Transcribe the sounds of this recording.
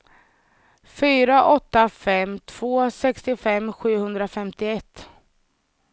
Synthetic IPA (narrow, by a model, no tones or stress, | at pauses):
fyːɾaʔɔt̪ːafɛmːt̪ʰv̥oːsɛkst̪ɪfɛmːɧʉ̟ːhɵnd̪ɾafɛmt̪ɪɛt̪ː